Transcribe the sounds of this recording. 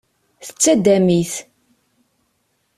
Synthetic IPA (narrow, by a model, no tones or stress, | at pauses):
θə̥t͡sːæd̪æmiθ